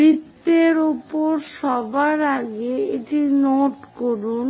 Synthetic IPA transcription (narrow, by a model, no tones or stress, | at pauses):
ɾit̪ːeɾupoɾʃɔbaɾaɡeeʈinoʈkoɾun